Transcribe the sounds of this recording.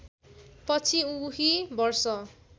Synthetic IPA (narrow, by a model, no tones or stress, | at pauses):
pʌt͡sʰiuɦibʌrsʌ